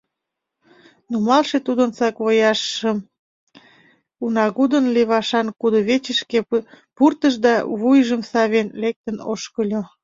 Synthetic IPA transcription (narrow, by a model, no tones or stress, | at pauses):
numɑlʃet̪ud̪ənsɑkβojɑʃəm | unɑɣud̪ənleβɑʃɑnkud̪oβet͡ɕəʃkepurt̪əʃd̪ɑβujʒəmsɑβenlek̚t̪ənoʃkəlʲo